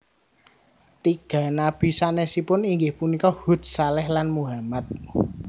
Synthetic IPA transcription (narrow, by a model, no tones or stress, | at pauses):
t̪iɡ̥ä̤nab̥i̤sanesipʊniŋɡɪhpunikɔhṳt̪̚salɛhlanmuɦamat̪̚